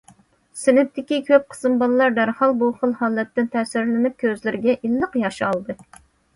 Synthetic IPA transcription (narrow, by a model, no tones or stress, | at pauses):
sɪnɪp̚t̪ʰɪkʲikʲʰøp̚qʰə̥sɨmbɑllˠɑɾd̪æɾhɑlˠbuχəlˠhɑːlˠɛt̪ːɪnt̪ʰɛsɪɾlɪnɪp̚kʲʰøzlɪɾɪɡʲɛʔilːəqjɑʃɑlˠd̪ɨ